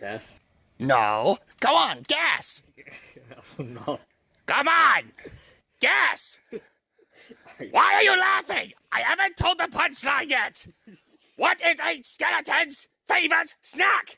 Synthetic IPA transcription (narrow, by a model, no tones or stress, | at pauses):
no̰ʊ | ɡ̥oʊə̃nɡ̥ɛs | ɡ̥oʊmə̃n | ɡ̥ɛs | waɪə˞jəlæfɪ̃ŋʔaɪhævə̃ntʰoʊlˠd̪̚ðəpʰʌ̃nt͡ʃnajɛt̚ | wʌɾɪzɨskɛɹətʰɛ̃nz̥ | feɪvə˞ətsnæk